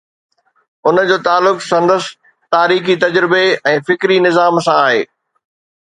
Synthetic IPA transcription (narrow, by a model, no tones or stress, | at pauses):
ʊnd͡ʑoːt̪aːlːʊksɐ̃nd̪əs | t̪aːɾiːxit̪ɐd͡ʑɾɪbeɛ̃ːfɪkɾinɪzaːmsãaːɦḛː